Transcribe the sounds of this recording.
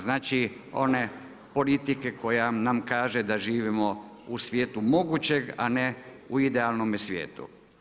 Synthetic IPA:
znaːt͡ʃio̞̰ne | po̞lit̪ike̞ko̞janamkaːʒed̪aʒiːʋimo̞ | usʋjeːt̪umo̞ɡut͡ɕe̞ɡa̰ne | uid̪ealnomesʋjḛːt̪ṵ

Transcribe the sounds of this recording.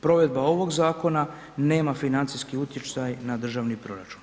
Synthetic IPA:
pɾo̞ʋe̞d̪̚bao̞ʋo̞ɡzaːko̞na | ne̞ːmafinant̪siskiut̪jet͡ʃ̪ajnad̪r̩ʒaʋnipɾo̞ɾat͡ʃu̥n

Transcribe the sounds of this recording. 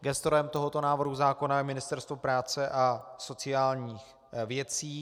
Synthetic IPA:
ɡɛst̪oɾɛmt̪o̞ɦo̞t̪o̞naːvr̩ɦuzaːko̞najɛmɪnɪst̪ɛɾst̪vopɾaːt͡sɛʔaso̞t͡sɪaːlɲiːx | vjɛt͡siː

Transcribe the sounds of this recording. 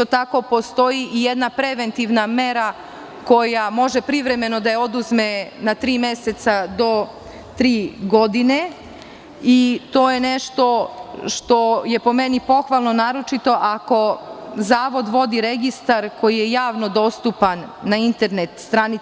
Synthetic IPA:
ot̪ako̞po̞st̪o̞jiʔije̞d̪napɾe̞ʋe̞nt̪iʋname̞ɾa | ko̞jamo̞ʒepɾiʋɾe̞me̞no̞d̪ajeo̞d̪uzme̞nat̪ɾiːme̞se̞t̪sad̪o̞ | t̪ɾiːɡo̞d̪ine̞ | it̪o̞ːjene̞ʃt̪o̞ʃt̪o̞je̞po̞me̞nipo̞xʋalˠno̞naːɾo̞t͡ʃit̪o̞ʔako̞zaːʋo̞d̪ʋo̞d̪iɾe̞ɡist̪aɾkʰo̞jijejaːʋno̞d̪o̞st̪upanːaint̪eɾne̞t̪st̪ɾani

